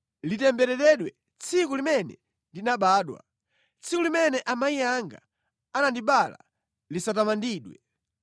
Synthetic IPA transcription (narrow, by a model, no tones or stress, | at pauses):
litɛmbɛɾɛtɛɗwɛ | t͡sʰikulimɛnɛ̰ | ndinaɓaːɗwa̰ | t͡sʰikulimɛnɛʔamaijaŋɡa̰ | anandiɓala̰ | lisatamandiːɗwɛ